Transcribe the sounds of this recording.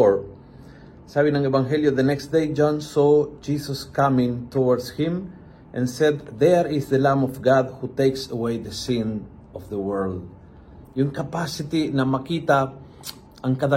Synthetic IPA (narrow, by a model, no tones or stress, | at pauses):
ɹ | sabɪnɐ̃ŋɛbaŋɦɛljod̪ɐnɛkst̪̚d̪ejd͡ʒãnsod͡ʒisoskamɪ̃ŋt̪owaɹd̪shɪ̃m | ʔɛ̰̃nsɛd̪ðɛɾɪsd̪əlãmɔfɡad̪̚hut̪ejksɐwejðɐsɪ̃n | ʔɔfðəwɛɹld̪̚ | jʊŋkɐpasɪt̪inɐmɐkit̪a | ʔɐŋkad̪a